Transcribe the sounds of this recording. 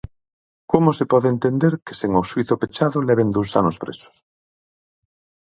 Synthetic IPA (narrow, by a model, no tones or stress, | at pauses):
komosepɔðeːnt̪end̪eɾke̥seŋosuiθopet͡ʃaðolɛβend̪ousa̰nospɾḛso̥s